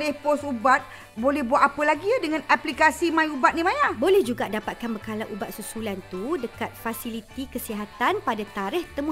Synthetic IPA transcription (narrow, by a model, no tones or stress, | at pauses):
lɛhpɔsubat̪̚ | bolɛhbuat̪̚apəlaɡiadəŋãnaplikasimãjubat̪̚nĩmajabolɛhd͡ʒuɡaʔdapat̪̚kanbəkalaʔubat̪̚susulant̪udəkat̪̚fasilit̪ikəsiɦat̪anpadat̪aɾɪht̪əmu